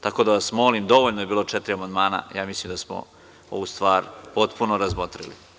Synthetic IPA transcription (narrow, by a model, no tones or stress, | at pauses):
t̪ako̞d̪aʋasmo̞limd̪o̞ʋoʎnoebiːlˠo̞t͡ʂɛt̪ɾiamand̪maːna̰jaːmislimd̪asmo̰ | o̰ʋust̪ʋaːɾpo̞t̪punoɾazmot̪ɾḭlḭ